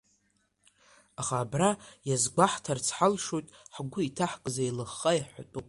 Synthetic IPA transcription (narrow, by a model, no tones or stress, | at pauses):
aχaːbrajazɡʷaħtʰart͡sʰħalʂojtʼħɡʷʊitʰaħkʼzajlɨχːajaħʷatʼupʼ